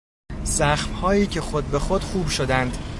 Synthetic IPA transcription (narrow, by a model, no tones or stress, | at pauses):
z̥æxmhɒːjiːcʰe̞xod̪̚be̞xod̪̥xuːbʃod̪ænd̪̥